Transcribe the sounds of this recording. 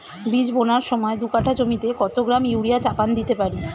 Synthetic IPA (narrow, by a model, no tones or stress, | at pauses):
bid͡ʑbonaɾʃɔmɔed̪ukaʈʰad͡ʑomit̪eɡɔt̪oɡɾamiuɾijat͡ɕapand̪it̪epaɾi